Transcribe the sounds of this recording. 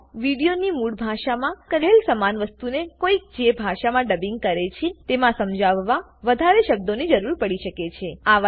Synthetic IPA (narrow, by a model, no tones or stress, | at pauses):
ʋiɽijonimuɽbʱaʃamãkəɾɦelsəmanʋəst̪unekoik̚d͡ʒebʱaʃamãɖəbiŋɡ̚kəɾet͡ʃʰet̪emãsəmd͡ʒaʋːa | ʋəd̪ʱaɾeʃəb̚d̪onid͡ʒəɾuɾpəɽiʃəket͡ʃʰeaʋ